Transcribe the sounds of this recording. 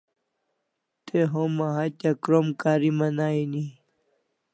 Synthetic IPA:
t̪eɦomaɦatakɾomkaːɾimanaːini

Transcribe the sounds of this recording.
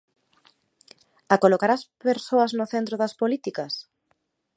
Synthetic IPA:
akolokaɾaspeɾsoɐznʊθent̪ɾoðɐspolit̪ikɐs

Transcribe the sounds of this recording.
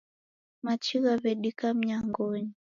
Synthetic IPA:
mat͡ʃiɣaβɛɗikam̩ɲaŋɡɔɲi

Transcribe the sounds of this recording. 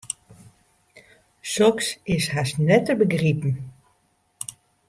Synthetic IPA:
sɔksɪsɦasnɛtəbəɡripn̩

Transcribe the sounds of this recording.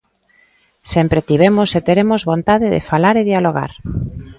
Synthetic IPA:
sɛmpɾet̪iβemoset̪eɾemozβont̪aðɪðḛfalaɾeðjaloɣa̰ɾ

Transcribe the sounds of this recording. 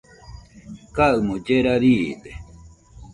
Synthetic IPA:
kaɨmõd͡ʒeɾaɾiːd̪e

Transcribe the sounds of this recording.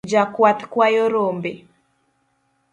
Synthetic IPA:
d͡ʒakwat̪kwajoɾombe

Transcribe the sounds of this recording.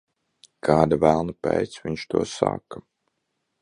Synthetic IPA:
kʰaːd̪avælˠnɨpʲɛ̰jt̪svʲiɲʃt̪ṵɔsa̰ːkɐ

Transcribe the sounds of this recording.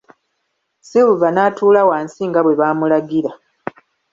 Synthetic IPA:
siwuvanaːtʰuːlawaːnsiŋɡaβwe̞βaːmulaɡiɾa

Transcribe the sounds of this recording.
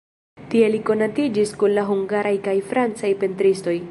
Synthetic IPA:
tieliko̞natid͡ʒiskunlaɦuŋɡaɾʔajkajfɾant͡sajpentɾisto̞j

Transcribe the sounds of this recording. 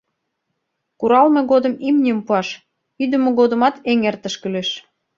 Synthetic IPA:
kuɾɑlmeɣod̪ə̆mimnʲiəmpuɑʃ | id̪ə̆mĕɣod̪ə̆mɑt̪eŋert̪ə̆ʃkəleʃ

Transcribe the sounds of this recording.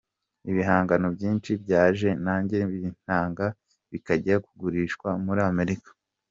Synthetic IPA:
iβiɦaːŋɡano̞bɟiːnt͡ʃibɟaːʒe̞naːɲɟeβiin̥aːŋɡa | βikaɟeɾakuɡuɾiːʃkwamuɾiame̞ɾikḁ

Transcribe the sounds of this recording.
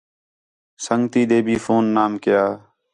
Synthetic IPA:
səŋɡt̪iːd̪eːbʱiːfoːnːaːmkɪjaː

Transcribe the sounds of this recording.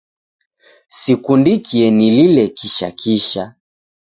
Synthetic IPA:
sikundikʰiɛnililɛkiʃa̰kʰiʃa

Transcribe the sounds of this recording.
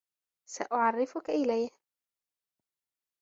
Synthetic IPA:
sa̰ʔʊʕɑrˤːɪfʊkaʔɪlajh

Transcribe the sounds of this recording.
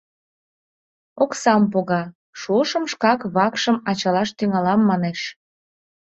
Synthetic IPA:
oksɑmpoɣɑ | ʃuəʃəmʃkɑkβɑkʃəmɑt͡ɕɑlɑʃt̪yŋɑlɑmːɑneʃ

